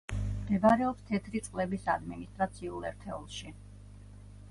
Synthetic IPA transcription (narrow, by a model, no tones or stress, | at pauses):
md̪ɛbaɾɛɔpst̪ʰɛt̪ʰɾit̪sʼqʼlɛbisa̰d̪minist̪ʼɾat̪sʰiulˠɛ̰ɾt̪ʰɛṵlˠʃi